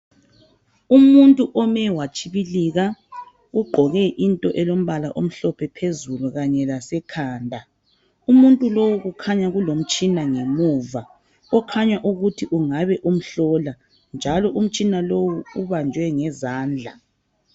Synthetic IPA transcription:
umuntʼuʔɔmɛwat͡ʃʰʼiβiliɣa | uɡ͡ǃʱɔɣɛʔintʼɔʔɛlom̩βalaʔom̩ɬɔpʰɛpʰezuluɣaɲɛlasɛkʰaːndʱa | umuntʼulowuɣukʰaɲaɣulom̩t͡ʃʼinaŋemuːva | ɔkʰaɲwaʔuɣutʰiʔuŋaβɛʔum̩ɬɔːla | nd͡ʒʱalɔʔum̩t͡ʃʼinalowuuβand͡ʒʱwɛŋɛzaːnd͡ɮʱa̰

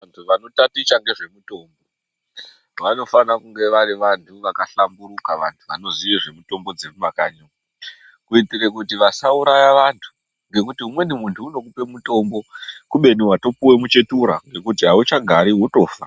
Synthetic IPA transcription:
antʰuʋano̞tatit͡ʃaŋɡe̞ʐe̞muto̞ːmbo̞ | ʋano̞fanakuŋɡe̞ʋaɾiʋantʰuʋakaɬambuɾukaʋantʰuʋano̞ziʋeʐe̞muto̞mbo̞d͡zerumakaːɲa | kuitirekutiʋasauɾajaʋantʰu̥ | ŋɡe̞kutiumwe̞nimuntʰuːno̞kupe̞muto̞mbo̞kuɓe̞niwato̞puwe̞mut͡ʃe̞tuɾaŋɡe̞kutiɦaut͡ʃaɡʱaɾiwoto̞ːfa

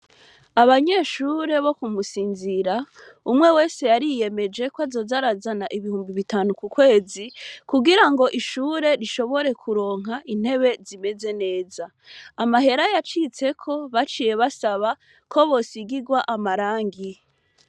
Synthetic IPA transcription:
aβaɲe̞ːʃuːɾe̞βo̞kumusiːnziɾa | umŋe̞we̞ːse̞jaɾije̞me̞d͡ʒe̞kwazo̞zaɾazanaʔiβihuːmbiβitaːnukukwe̞ːzikuɡiɾaŋɡo̞ʔiʃuːɾe̞ɾiʃo̞βo̞ɾe̞kʰuɾo̞ːŋ̥ɦaʔin̥he̞βe̞zime̞ze̞ne̞ːzaː | maɦe̞ɾajat͡ʃit͡se̞kʰo̞βat͡ʃiːje̞βasaβa | kʰo̞βo̞siɡiɡwaʔamaɾaːŋɡi

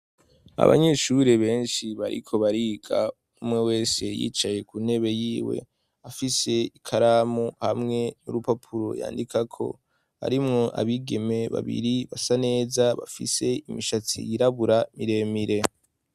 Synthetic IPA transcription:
a̰βa̰ɲe̞ʃuɾe̞βe̞ːnʃiβaɾḭkʰo̞βaɾiɡa | umŋe̞we̞ːse̞jḭːt͡ʃaje̞kune̞βe̞jiːwe̞̰ | afise̞ikʰaɾamuhamŋe̞nṵɾupapʰuɾo̞̰ja̰ːndikakʰo̞̰ | ha̰ɾimŋo̞ʔa̰βiɡe̞me̞βa̰βḭɾiβasane̞ːzaβa̰fise̞imiʃat͡sḭjiɾaβuɾamiɾe̞miɾe̞

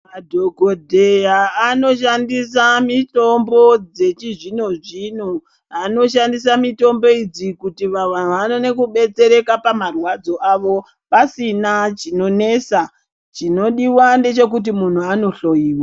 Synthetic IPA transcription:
madʱo̞ɡʱodʱe̞jaːno̞ʃandisamito̞mbo̞d͡ze̞t͡ʃiʐino̞ʐin̤u | ano̞ʃandis̬amito̞mbo̞id͡zikutiʋaʋan̤uʋano̞ne̞kuɓe̞t͡se̞ɾe̞kapamarwad͡zo̞ʔaʋo̞ | pasinat͡ʃino̞ne̞sa | t͡ʃino̞ɗiwande̞t͡ʃe̞k̬ut̬imun̤uano̞ɬo̞jiːwa

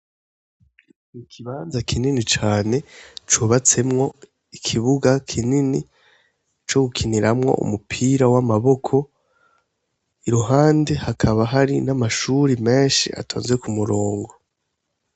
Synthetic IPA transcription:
ikʰiβaːnzakʰininit͡ʃaːne̞t͡ʃuβat͡se̞mŋo̞ | ikʰiβuɡakʰinini | t͡ʃo̞ɡukʰiniɾamŋo̞̰ʔṵmupʰiɾawamaβo̞kʰo | iɾuɦaːnde̞hakʰaβaɦaɾinamaʃuɾime̞ːnʃḭʔa̰tʰoːnzwekumuɾoːŋɡo̞

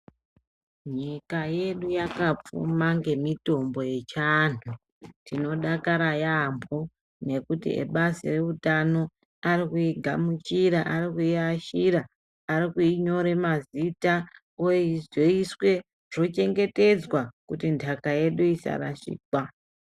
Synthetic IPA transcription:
ɲikaje̞ɗujakap͡fṵmaŋɡe̞mito̞mbo̞je̞t͡ʃanu | tʰino̞ɗakaɾajambʱo | ne̞kutḭḛɓasire̞utano̞ | aɾikuiɡʱamut͡ʃiɾaʔarikuiaʃiɾaː | ɾikuiɲo̞ɾe̞mazita | ojizoiswe̞ | ʐ̥o̞t͡ʃe̞ŋɡe̞te̞d͡zwakutindʱakaje̞ɗuisa̰ɾa̰ʃḭːka

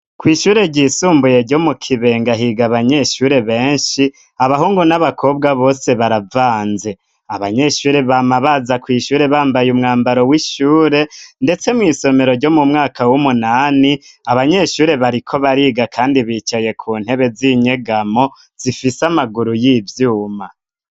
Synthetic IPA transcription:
kwiːʃuːɾe̞ɾɟiːsuːmbuje̞ɾɟo̞mukʰiβe̞ːŋɡaɦiɡaβaɲe̞ʃuːɾe̞βe̞ːnʃi | aβaɦuːŋɡunaβakʰo̞bɡaβo̞ːse̞βaɾavaːnze̞ | aβaɲe̞ʃuːɾe̞βamaβazakwiːʃuːɾe̞βaːmbajumŋaːmbaɾo̞wiʃuːɾe̞nde̞t͡se̞mŋiːso̞me̞ɾo̞ɾɟo̞mumŋaːkʰawumunaːniaβaɲe̞ʃuːɾe̞βaɾikʰo̞βaɾiːɡakʰaːndiβiːt͡ʃaje̞kʰuːn̥he̞βe̞ziːɲe̞ɡamo̞ | z̥ifisamaɡuɾujiːvjuːma

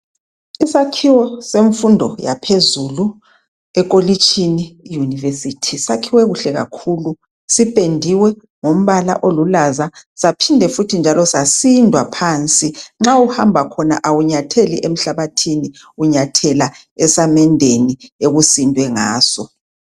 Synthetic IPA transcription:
isakʰiwɔseɱfundʱɔja̰pʰezulu | ɛk̬ʼolit͡ʃʰʼiniːjunivesitʰisakʰiwɛɣuɬɛɣa̰kʰulu | sipʼendʱiwɛ | ŋom̩βala̰ʔolulazasapʰindʱɛfutʰind͡ʒʱalɔsasindʱwapʰaːnt͡sʼiŋ͡ǁauhambʱakʰɔnaʔawuɲatʰelḭʔem̩ɬaβatʰini | uɲatʰɛla | ɛsamɛndʱenieɣusindʱwɛŋa̰ːsɔ

